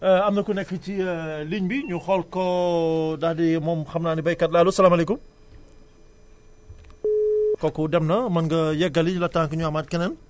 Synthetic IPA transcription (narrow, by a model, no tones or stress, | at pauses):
amnɐkunɛkfət͡ʃiliɲbiɲuxɔlkɔ | dahdimɔmxɐmnanibɐjkːɐt̚lalusɐlaːmalɛkum | kɔkudɛmnɐmɐnɡɐjɛɡɐliɲlɐtaŋkəɲuamat̚kɛnɐn